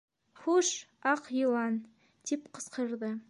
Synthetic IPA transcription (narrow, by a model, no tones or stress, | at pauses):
χuʃɑqjiwˠɑn | d̪̥epqʰə̥sqəɾd̪ə